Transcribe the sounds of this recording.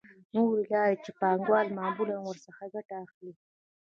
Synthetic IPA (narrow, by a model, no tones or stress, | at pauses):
nuɾelɑɾet͡ʃepɑŋɡwɑlmɑːmulanwəɾsaxaɡaʈaːxli